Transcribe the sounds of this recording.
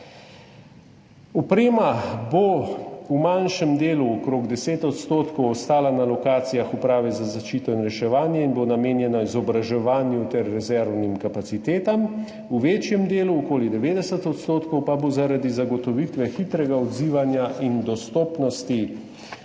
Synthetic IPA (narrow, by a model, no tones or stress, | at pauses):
ɔpɾeːmaboumanʃɛmd̪eːluɔkɾoɡd̪ɛseːt̪ɔt̪st̪oːt̪kɔwɔst̪aːlanalɔkaːt̪sijaxupɾaːʋɛzazaʃt͡ʃiːt̪ɔinɾɛʃɛʋaːnjɛinbonameːnjɛnaizɔbɾaʒɛʋaːnjut̪ɛɾːɛzɛɾwnimkapat̪sit̪eːt̪am | uʋeːt͡ʃjɛmd̪eːluɔkoːlid̪ɛʋeːd̪ɛsət̪ɔt̪st̪oːt̪kɔwpabozaɾad̪izaɡɔt̪ɔʋit̪ʋɛxit̪ɾɛɡaɔd̪ziːʋanjaʔind̪ɔst̪oːpnɔst̪i